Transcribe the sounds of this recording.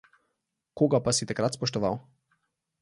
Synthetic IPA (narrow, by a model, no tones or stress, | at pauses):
koːɡapasit̪akɾat̪spɔʃt̪ɔʋa̰w